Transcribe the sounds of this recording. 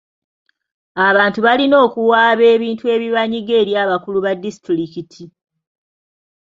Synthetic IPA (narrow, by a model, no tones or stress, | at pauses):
aβaːntuβalino̞ːkuwaːβe̞ːβiːntue̞ːβiβaɲiɡe̞ːɾjaːβakuluβadːisi̥tɾikitʰi